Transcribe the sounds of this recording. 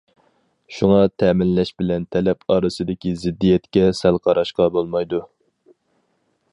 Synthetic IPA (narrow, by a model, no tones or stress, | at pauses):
ʃuŋɑt̪ʰɛmɪnlɛʃbɪlɛnt̪ʰɛlɛpɑːɾɨsɨd̪ɪkʲizɪd̪ːijɛt̪kʲɛsælˠqʰɑɾɑʃqɑbolˠmɑjd̪u